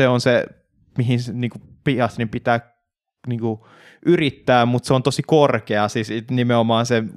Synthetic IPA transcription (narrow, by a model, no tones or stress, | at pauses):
eonse | miɦinniːŋku | pihɑst̪nimpit̪æː | niːŋku | ʔyrit̪ːæːmut̪seont̪osikorkeɑsistnimeomɑːnse